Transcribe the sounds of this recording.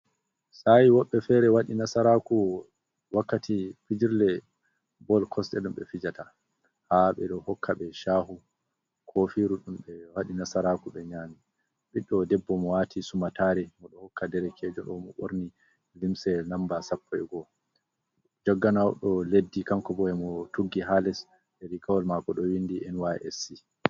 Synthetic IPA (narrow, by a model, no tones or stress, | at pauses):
sajiwɔɓːɛfɛɾɛwaɗinasaɾaku | wakːatʰifid͡ʒiɾlɛ | bɔlkʰɔstɛɗumɓɛ̰fid͡ʒata | haɓɛɗɔhɔkʰːaɓɛʃaːɦu | kʰofiɾuɗumɓɛwaɗinasaɾakuɓɛɲaːni | ɓiɗːɔdɛbːɔmɔwatʰisumataɾɛmɔɗɔhɔkʰːadɛɾɛkʰɛd͡ʒɔɗɔmɔɓo̰ɾni | limsɛnambasapʰːɔɛɡɔ | d͡ʒɔɡːanawɗɔledːikamkɔbɔɛmɔtuɡːiɦalɛs | ɛɾikawɔlmakɔɗɔwindiʔɛnwaɛ̰ɛsi